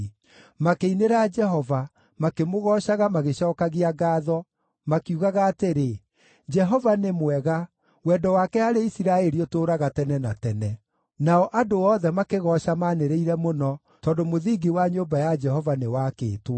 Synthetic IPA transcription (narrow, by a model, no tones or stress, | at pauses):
makeineɾad͡ʒɛɦɔva | makemoɣɔʃaɣamaɣeɕɔːkaɣiaɡaːðɔ | makiuɣaɣaːteɾe | d͡ʒɛɦɔvanemwɛɣa | wɛːdɔwakɛaɾeisiɾaɛɾiotoːɾaɣatɛnɛnatɛnɛ | naɔʔadoɔðɛmakeɣɔʃamaːneɾeiɾɛmonɔ | tɔːndomoðiːɡiwaɲobajad͡ʒɛhɔvanewakḛːtw